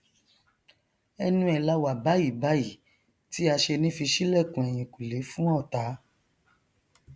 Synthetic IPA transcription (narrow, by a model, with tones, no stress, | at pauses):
ɛ˧nũ˦ɛ˨la˦wa˨ba˨˦ji˦˨ba˦ji˦˨ | ti˦a˧ʃe˧nĩ˦fi˧ʃi˦lɛ˦˨kũ˨ɛ˨j̃ĩ˨ku˨le˨˦fũ˦ɔ̃˦ɔ˨ta˨˦